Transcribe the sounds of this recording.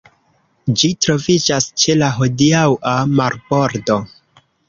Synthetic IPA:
d͡ʒitɾo̞vid͡ʒast͡ʃe̞laɦo̞diawamaɾbo̞ɾdo̞

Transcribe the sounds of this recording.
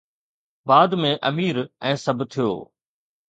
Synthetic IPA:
baːd̪mẽʔɐ̰miːɾɛ̃ːsɐbʱt̪ʰijo̰ː

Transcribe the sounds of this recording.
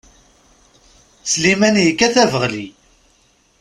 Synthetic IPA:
slimænjəkːæθævəʁli

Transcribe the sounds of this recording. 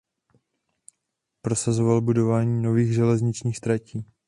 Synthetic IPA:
pɾo̞sazovalbudo̞vaːɲiːno̞viːɣʒɛlɛzɲɪt͡ʃɲiːxst̪ɾaciː

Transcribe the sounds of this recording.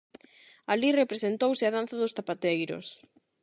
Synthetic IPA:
alirepɾesent̪owsɪaðan̟θaðʊst̪apat̪ejɾʊ̰s

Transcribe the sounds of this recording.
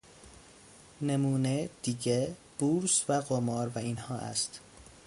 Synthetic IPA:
nemuːned̪̥iɟeb̥uːɾsvæɢomɒːɾvæinhɒːʔæ̰st̪

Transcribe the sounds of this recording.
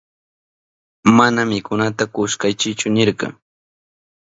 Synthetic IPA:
manamɪkʊnat̪akʊʃkajt͡ʃɪt͡ʃʊnɪɾɢɑ̰

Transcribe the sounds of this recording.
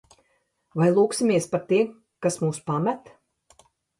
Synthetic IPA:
vajlˠuːksimʲiɛspaɾt̪iɛm | kasmuːspamæt̪

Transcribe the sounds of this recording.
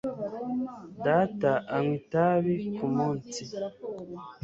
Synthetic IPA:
dataʔaŋwitaβikʰumuːnsi

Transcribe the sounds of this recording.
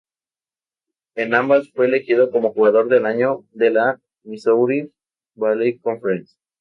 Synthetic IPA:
enãmbasfwe̞ːlexiðo̞ko̞mo̞xuɣaðo̞ɾðe̞laɲo̞ðe̞la | misowɾi | balejkoɱfeɾens

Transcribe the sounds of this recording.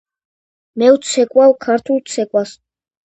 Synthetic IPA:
mɛwt̪sʰɛkʼwalkʰaɾt̪ʰulˠt̪sʰɛkʼwas

